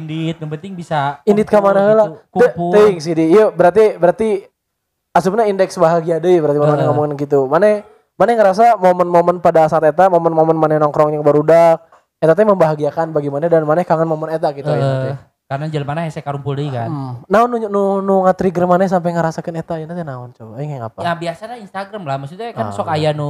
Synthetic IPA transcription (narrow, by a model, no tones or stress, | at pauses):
indit̪̚jaŋpənt̪ɪiŋbisaindit̪̚kamanakəlatkuəp̪əŋs̬idijəbəɾart̪ibəɾart̪i | as̬upnaindɛksbaɦaɡiadəjbəɾart̪imamanaŋomuŋanɡit̪umana | manɛŋəɾas̬amomənmomənpadasaːt̪et̪amomənmomənmanajnɔŋkɾɔŋɲaŋbəɾudak̚ | et̪at̪məmbaɦaɡiakanbaɡimandanmanakaŋanmomənet̪̬ak̚ɡit̪u | kaɾnad͡ʒalamanaɦesɛkaɾumpuldəikannaʊnːununuŋat̪ɾiɡəɾmanas̬amp̬ajŋəɾasakənet̪ainat̪anaʊnt͡ʃobaiŋiŋapajabiasalainst̪aɡɾamlahmasit̪ukasɔkajanu